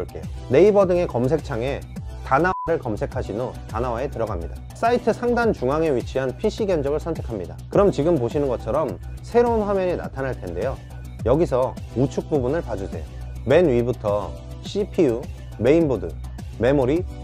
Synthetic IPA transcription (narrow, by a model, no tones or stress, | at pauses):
ɭk͈e̞jone̞ibʌdɯŋe̞kʌms̬ʰe̞k̚t͡ɕʰaŋe̞tanawaɾɯɭkʌmsʰe̞kʰaɕʰinotanawae̞tɯɾʌɡamɲida | s͈aitʰɯsʰaŋdant͡ɕuŋaŋe̞ɥit͡ɕʰiɦanpʰiɕ͈ʰiɡjʌnd͡ʑʌɡɯɭsʰʌntʰe̞kʰamɲidakɯɾʌmt͡ɕiɡɯmpoɕʰinɯnɡʌt͡ɕʰʌɾʌm | sʰe̞ɾounɸwamjʌɲina̰tʰanaɭtʰe̞nde̞jo | jʌɡis̬ʰʌ | ut͡ɕʰuk̚p͈ubunɯɭpad͡ʑusʰe̞̰jo | me̞nɥibutʰʌ | ɕʰipʰiu | me̞inbodɯ̰ | me̞moɾi